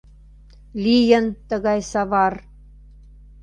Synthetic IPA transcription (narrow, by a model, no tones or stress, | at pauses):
lʲijə̆nt̪ɤ̆ɣɑjsɑβɑr